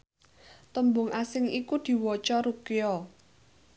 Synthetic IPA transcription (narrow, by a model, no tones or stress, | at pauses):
t̪əmbʊŋʔasɪŋikud̪̥i̤wɔt͡ʃɔɾukeɔ